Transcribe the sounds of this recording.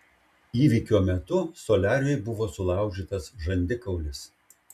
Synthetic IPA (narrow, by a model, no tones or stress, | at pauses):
iːʋʲɪkʲoːmʲɛt̪ʊsɔlʲæːɾʲɛjbʊʋoːsʊlˠɑˑʊʒʲiːt̪ɐsʒɐnʲd̪ʲɪkɐʊlʲɪs